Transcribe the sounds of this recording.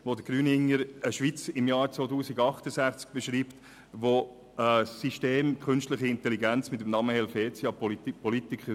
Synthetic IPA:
ʋod̪əɡɾyːnɪŋəɾəʃʋit͡sɪmjɑːɾt͡sʋoːtuːsiɡɑχt̪əsæχt͡sk̚b̥ɛʃɾiːpt | ʋo | əsiʃteːmkʰχʏnʃtləχəɪnt̪ɛliɡænt͡smɪt̪əmnɑməhɛlfeːt͡sjɑppɔlit̪ɪkχə

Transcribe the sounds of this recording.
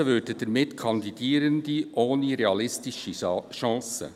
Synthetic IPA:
əvʏdəd̥ɛmɪtkʰɑnd̪idiːɾəndiʔoːniɾeɑlɪstɪʃəʃɑ̃ːsə̰

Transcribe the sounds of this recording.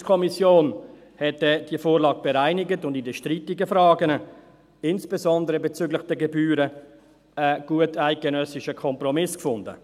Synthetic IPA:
kʰɔmisjoːn | hɛtɛd̥iəfoːɾlɑːɡ̚b̥ɛɾaɪnɪɡətʊndidəʃtritɪɡəfɾɑːɡənə | ɪnsb̥ezɔndəɾəbɛt͡syːɡlɪχd̥ɛɡɛbyːɾə | əɡ̥uətaɪt̚ɡ̥enœsɪʃəkʰɔmprɔmɪskfʊndə̰

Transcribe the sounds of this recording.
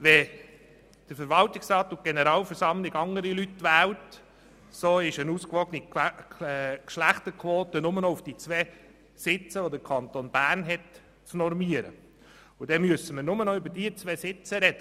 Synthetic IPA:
ʋɛ | d̥əfəɾʋɑltɪksɾɑːt̪ːʊnt̚ɡ̥enəɾɑːlfəɾsɑmlɪɡɑŋəɾilytːʋæːlt | soːɪʃənuːskʋɔɡəni | kʃlæχtəkʰʋoːtənʊmənɔʊfd̥it͡sʋɛː | sɪt͡səʋod̪əɾkʰɑnt̪oːnb̥æːrnɦɛt | t͡snɔɾmiəɾə̰ | ʊd̥ɛmyøsəməɾnʊmənɔʏbəɾd̥iət͡sʋɛːsɪt͡səɾɛd̥ə

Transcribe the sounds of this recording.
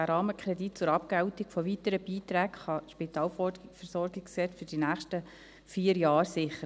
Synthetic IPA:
æːɾɑːməkʰɾɛdit̚t͡sʊɾɑp̚kɛʊtiɡfɔviːtəɾəb̥iːtɾæːkχɑʃpitɑːlffɛɾsɔɾɡɪksɛtfʏd̥inæːχʃtə | fiːəɾjɑːɾsɪχə

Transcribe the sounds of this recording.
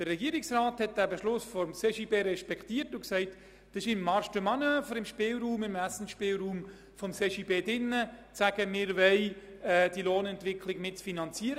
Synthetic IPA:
d̥əːɛɡiːəɾɪksraːthɛt̚d̥æːbeʃlʊsfɔɾmseʃiːbeːɾɛʃpɛkχtiːətʊksɛɪt | d̥ɪʃɪmːɑɾʃtəmɑnøfəɾɪmʃpɪːlɾuːmɪmæsn̩ʃpɪːlɾuːm | fɔmseːʃiːbeːdɪnːət͡sæɡ̥əmɪːɾvɛɪ | ɛːd̥iloːnɛntvɪkʰlɪɡmɪtt͡sfinɑnt͡siːəɾə

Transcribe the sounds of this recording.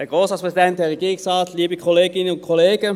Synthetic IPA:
ɛɡʁoːshɑspʁɛsidɛnt̚d̥ɛːʁeɡiːʁɪŋsʁɑːtliːbikʰɔleːɡɪnənʊnkʰoleːɡ̥ə

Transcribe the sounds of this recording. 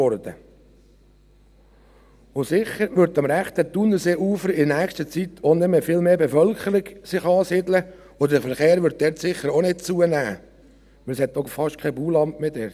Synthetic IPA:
ɔɾd̥̪ə | ʊsɪχəɾʋʏɾt̪ɑmɾæχt̪ət̪unːəseːʔuːfəɾɪdnæːkstət͡sit̪ʰonɪməfɪːlmeːbefœlkχəɾɪɡsɪχɑːsɪdlə | od̪ədfəɾχeːɾʋʏɾt̪̚d̥̪ɛɾt̪sɪχːəɾonɪt̚t͡suənæː | ʋɪlshɛt̪ːɔfɑʃtkʰɛbuːlɑmtmeːd̥ɛɾt

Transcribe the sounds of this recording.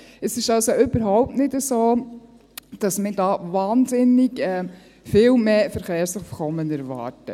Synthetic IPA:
ɛsɪʃɑlsoʔʏb̥əɾɦaʊp̚tnɪtəsoː | d̥ɑsmɪdɑːvɑːnzɪnɪɡɛː | fɪːlmeːfəɾχeːɾsəχfkɔmːənɛɾvɑ̰ːɾtə

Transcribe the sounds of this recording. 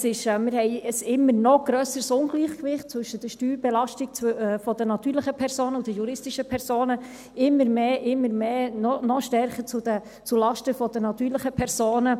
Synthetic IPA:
sɪʃɛmɪɾhɛɪəsɪmːəɾnɔɡ̥ɾœːsəɾsʊnɡliːχkʋɪχtt͡svɵʃːəd̥əʃtyːlbɛlɑʃtik̚t͡sɛfɔd̪ənɑt̪ːyːɾləχəpʰɛɾsoːnəud̥əjuɾɪstɪʃəpʰɛɾsoːnə | ɪmːəɾmeːʔɪmːəɾmeːnɔnɔʃtɛrχət͡sudə | t͡sulɑʃtəfɔd̥̪ənɑt̪yːɾləχəpʰɛɾsoːnə

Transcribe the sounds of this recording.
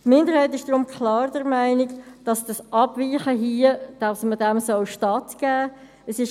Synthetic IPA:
tmɪndəɾhaɪtɪʃd̥rʊmkʰlɑːɾdɛɾmaɪnɪkd̥ɑsd̥ɑsʔɑbviːχəɦiːəd̥asmədɛmsɔlʃtɑtɡ̥æː | əsɪʃ

